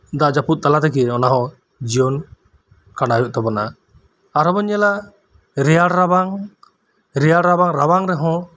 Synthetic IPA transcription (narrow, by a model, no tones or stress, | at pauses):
d̪aʔd͡ʒaput̪̚t̪alat̪ɛkiɔnaɦɔ̃ | d͡ʒijɔn | kaɽajɔʔ̚t̪ɔbɔna | aɾɦɔbɔɲɛla | ɾɛjaɽɾabaŋ | ɾɛjaɽɾabaŋɾaβaŋɾɛɦɔ̃